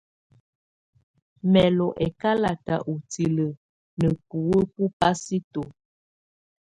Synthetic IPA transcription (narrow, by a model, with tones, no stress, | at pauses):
mɛ˨lɔ˨ʔɛ˨ka˦la˨ta̰˨ʔu˨ti˨lə˨ | nə˨pu˨wə˦pu˦pa˦si˦to˨